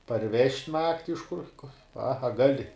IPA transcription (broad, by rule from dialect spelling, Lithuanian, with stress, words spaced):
pɐrʲˈʋʲɛʃʲtʲ ˈnɑːktʲɪ ɪʃ kʊr pɐ ɐ ˈɡɑːlʲɪ